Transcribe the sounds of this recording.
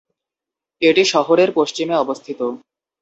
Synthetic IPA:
eʈiʃɔɦoɾeɾpoʃt͡ɕimeɔbost̪ʰit̪o

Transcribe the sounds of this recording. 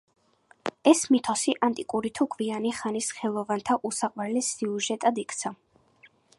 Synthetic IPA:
ɛsmit̪ʰɔsiʔant̪ʼikʼuɾit̪ʰukʰʼvianiχanisχɛlˠɔvant̪ʰaʔusaqʼwɛlɛsiuʒɛt̪ʼad̪ikʰt̪sʰa

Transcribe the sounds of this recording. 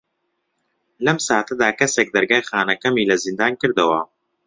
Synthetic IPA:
lɐmsaːt̪ɐd̪aːkɐsek̚d̪ɐɾɡaːjxaːnɐkɐmiːlɐzind̪aːnkɨɾd̪ɐwɐ

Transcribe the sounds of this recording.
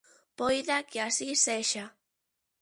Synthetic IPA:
pojðakeasiseʃa

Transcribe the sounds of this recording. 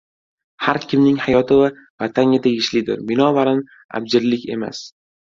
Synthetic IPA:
haɾkʲʰɪmnɪŋhajɒt̪ʰɪva | vat̪ʰanʲat̪ʰeɡʲɪʃlɪd̪ɪ̰ɾbɪnɒvaɾan | a̰b̚d͡ʒɪɾlɪkʲe̞ma̰s

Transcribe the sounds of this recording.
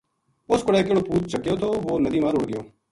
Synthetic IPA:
ʊskʊɽeːk̬eːɽoːpuːt̪̚t͡ʃəkːjoːt̪ʰoːʋoːnəd̪iːmãːɾoːɽɡɪjoː

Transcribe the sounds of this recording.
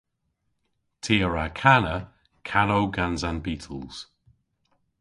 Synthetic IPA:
tʰiːəɹakʰanə | kʰanowɡanzanbiːtʰəlˠz̥

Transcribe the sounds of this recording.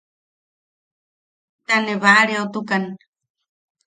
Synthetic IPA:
t̪aneβaɾeot̪ukan

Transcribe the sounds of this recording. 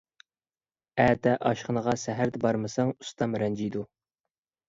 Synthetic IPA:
æd̪ɛʔɑʃχənəʁɑsæɦæɾd̪ɛbɑɾmɨsɑŋust̪ʰɑmɾɛnd͡ʒijd̪u

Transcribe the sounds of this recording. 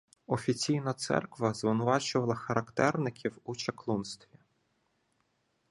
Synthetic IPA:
ɔfʲit͡sʲijnɐt̪sɛ̰rkʋɐzʋɪnʊʋɑt͡ʃʊʋɐlˠɐxɐɾɐkt̪ɛrnɪkʲʰiwut͡ʃɐklˠunst̪ʋʲi

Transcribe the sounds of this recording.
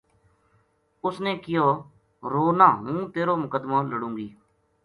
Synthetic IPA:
ʊsneːkɪjoː | ɾoːnãːɦũːt̪eːɾoːmʊkəd̪mãːləɽũːŋɡiː

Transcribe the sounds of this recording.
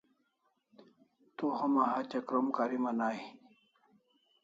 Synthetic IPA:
t̪uhɐmaɦat͡ɕɐkɾomkaɾimɐnaːi

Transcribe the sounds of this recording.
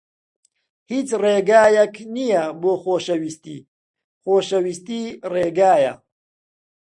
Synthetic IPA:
hiːt͡sreːɡaːjɐkʰnijɐboːxoːʃɐwist̪ḭː | xoːʃɐwist̪iːreːɡaːjɐ̰

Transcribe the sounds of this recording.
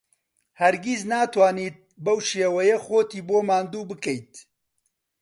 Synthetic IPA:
hɐɾɡiznaːt̪ʰwaːniːt̪̚bɐwʃeːwɛjexoːt̪iːboːmaːnd̪uːbɨkɛjt̪̚

